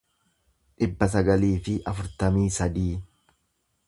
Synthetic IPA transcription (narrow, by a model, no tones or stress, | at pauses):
ʔɪbːɐs̬ɐɡɐliːfɪʔɐfʊɾt̪ɐmiːsɐd̪iː